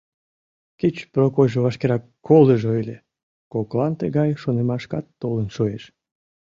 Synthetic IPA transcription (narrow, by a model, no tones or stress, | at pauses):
ket͡ɕprokojʒoβɑʃkeɾɑkʰːoləʒojlʲe | koklɑnt̪eɣɑjʃonemɑʃkɑt̪ːolənʃoeʃ